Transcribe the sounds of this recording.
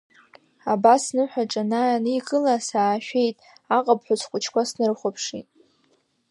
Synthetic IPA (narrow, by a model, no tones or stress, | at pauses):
abasnɨħʷᶣaʈ͡ʂʼanaanɨikʼɨlasaːʃᶣe̞jtʼ | aqʼapʰħʷʊt͡sʰkʷʼʊt͡ʃʰkʷasnɨrχʷapʰʂitʼ